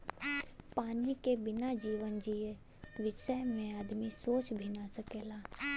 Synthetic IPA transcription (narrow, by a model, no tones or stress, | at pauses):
paːnikebɪnad͡ʒiːʋənd͡ʒie | ʋɪʃəjmẽaːd̪misoːt͡ʃbʱinasəkeːlaː